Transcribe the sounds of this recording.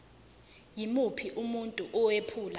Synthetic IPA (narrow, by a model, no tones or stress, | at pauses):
jimupʰiʔumuntʼuʔɔwepʰuːla